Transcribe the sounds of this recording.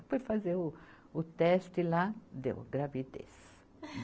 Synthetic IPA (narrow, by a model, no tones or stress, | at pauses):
pofazeʊ | ʊt̪ɛst̪ɪlad̪ḛwɡɾavid̪ḛs